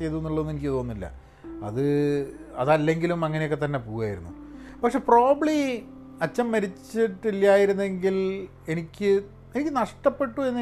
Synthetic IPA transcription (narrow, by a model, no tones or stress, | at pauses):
e̞jt̪uenːuɭːɐðonːenikʲːɨt̪oːnːilːɐ̰ | ɐ̰ðɨ | ɐ̰ðɐlːe̞ŋɡilumɐŋːɐnejokːet̪ɐnːepoːɣuɣaːjḭɾṵnːupɐkʂe̞ːpro̞ːbɐɭi | ɐt͡ɕːɐmːɐɾit͡ɕːiʈːilːjaːjiɾunːe̞ŋɡil | e̞nikʲːɨ | e̞nikʲːɨnɐʂʈɐpːe̞ʈːue̞nːi